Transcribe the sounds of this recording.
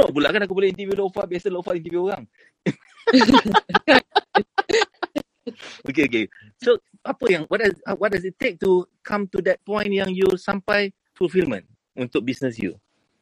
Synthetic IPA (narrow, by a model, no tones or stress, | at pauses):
nobulakanakupolɛhĩnt̪ivjulofat̚biasəlofaʔĩntivjuoɣaŋ | ka | okeok̬e | so | ʔapəjãŋwɔʔ̚daawɔt̚dasittːek̚tukʰãmtudɛt̚pɔ̃j̃njãŋjusãmpaj | fulfilmə̰̃n | ũnt̪ʊk̚bisnəsjṵ